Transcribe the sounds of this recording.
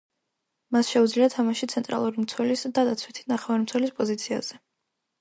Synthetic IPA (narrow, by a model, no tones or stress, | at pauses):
masʃɛud̪zliat̪ʰamaʃit̪sʰɛnt̪ʼɾa̰lˠuɾimt̪sʰwɛlisd̪ad̪at̪sʰwit̪ʰi̥naχɛvaɾimt̪sʰwɛlispʼɔzit̪sʰia̰z̥ɛ